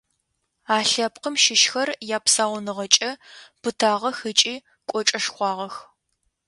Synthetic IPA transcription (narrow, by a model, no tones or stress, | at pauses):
aːɬɐpqəmʃɪʃxɐrjaːpsaːʁɔnɨʁɐt͡ʃʼɐb̥ɨtʰaːʁɐxɨt͡ʃʼiː | kʷʼɔt͡ʃʼɐʂxʷɑːʁɐx